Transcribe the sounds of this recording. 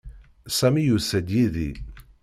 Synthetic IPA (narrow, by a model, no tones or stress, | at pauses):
sæmijusæd̪jiðḭ